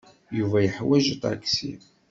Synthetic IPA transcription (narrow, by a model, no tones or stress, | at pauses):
juvæjəħwæʒət̪ˤa̰ksḭ